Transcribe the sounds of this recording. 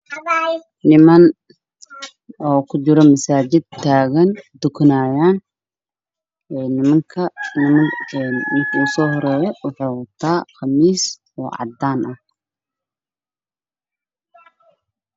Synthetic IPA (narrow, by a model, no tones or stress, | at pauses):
nɪmɐn | ɔːkʰʊt͡ʃɪɾɔmɐsaːt͡ʃɪd̪̚t̪ʰːaːɣɐnd̪ʊkʰnaːjaːn | ɛnɪmɐŋkʰɐnɪmɐnmɪkʰuːsɔːhɔɾɛːjɔwʊħuːwɐt̪ʰaːχɑmiːs | ɔ̰ːʕɑ̰d̪aːnʔɐh